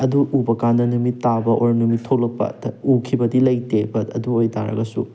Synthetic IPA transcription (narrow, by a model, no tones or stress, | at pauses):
ɐduubɐkandɐnumitːabɐʔoɾnumitʰolɐk̚pɐ̰ɐukʰibɐdilɐjtebɐɐduojtaɾɐ̰ɡɐsṵ